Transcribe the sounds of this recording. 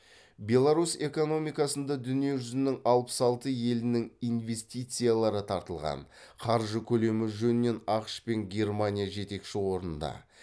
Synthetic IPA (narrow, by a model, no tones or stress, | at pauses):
bʲe̞lˠaɾuse̞ko̞no̞mijkɑsənd̪ɑd̪ʏnije̞ʒʏzɪnɪŋɑlˠpə̥sɑlˠt̪əje̞lɪnɪŋijnve̞st̪ijt̪sɨjalˠɑɾət̪ʰɑɾt̪əlˠʁɑ̰nqʰɑɾʒəkʲʰɵle̞mɪʒɵnɪnːe̞nɑqʃpe̞ŋɡʲe̞rmanʲijaʒe̞t̪e̞kʃɪwo̞ɾnənd̪ɑ̰